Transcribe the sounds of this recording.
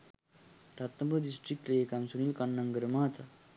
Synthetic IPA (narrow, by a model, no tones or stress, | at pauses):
ɾat̪ːəmbədisʈɾik̚ʈleekamsuñilkɐnːəŋɡəɾmaɦt̪ʰa